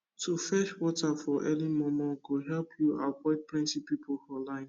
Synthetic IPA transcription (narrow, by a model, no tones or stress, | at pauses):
tʰufɛʃwɔtafɔʔɛlimɔmɔɡoɦɛlpʰjuawɔɪd̚pɹĩntipipʰolhɔlãɪ̃n